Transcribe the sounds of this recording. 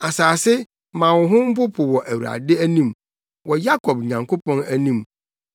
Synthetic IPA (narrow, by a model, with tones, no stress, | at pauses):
a˨saː˨sɪ˦ | mã˨wʊ̃˨ɦʊ̃˦m̩˦pʊ˦pʰʊ˨wɔ˨ʔæ˨wu˨ɾa̰˨dɪ˦æ˦nĩ˦˨m | wɔ˨ja˦kʰɔ˨b̚ɲã˨ŋkʰo˦pʰɔ̃˦næ˦nĩ˦˨m